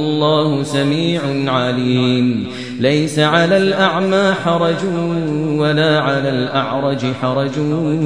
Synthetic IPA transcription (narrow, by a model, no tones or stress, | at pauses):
lˤːaːhʊsamiːʕʊʕaliːm | lajsaʕalaːlʔaʕmaːħɑɾˤɑd͡ʒ | walaːʕalaːlʔaʕɾˤɑd͡ʒɪħɑɾˤɑd͡ʒʊ